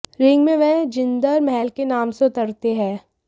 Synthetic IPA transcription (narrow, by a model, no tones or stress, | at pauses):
ɾɪ̃ŋɡmẽʋɛ̃ɦd͡ʒɪ̃nd̪əɾmɛɦɛlkenaːmseʊt̪əɾt̪eɦɛ̃ː